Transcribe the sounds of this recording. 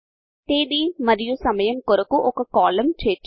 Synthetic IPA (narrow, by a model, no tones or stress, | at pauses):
t̪eːd̪iːməɾɪjusɐməjəmkoɾəkuʔʊkːkɔːləmt͡ʃʰeːt͡ʃ